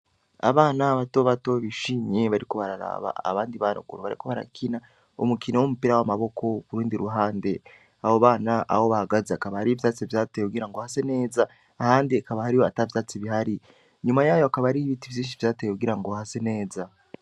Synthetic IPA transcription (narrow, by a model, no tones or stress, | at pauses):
a̰βaːnaβato̞βato̞βiʃiːɲe̞βaɾiko̞βaɾaɾa̰βa̰a̰βaːndiβano̰ɡuɾoβaɾḭko̞βaɾa̰kʰina | omukinowomupiɾawamaβo̞kʰo̞βuɾuːndiɾuɦaːnde̞ | ahoβaːnaʔa̰ho̞βahaɡazeakaβahaɾivjaːt͡sivjaːtejekuɡiɾaŋɡohase̞ne̞ːza | haːndiakaβahaɾijo̞atavjaːt͡siβiɦaɾi | ɲumajaːjoakaβaɾiβitivjiːnʃ̬ivjaːtejekuɡiɾaŋɡohase̞ne̞ːza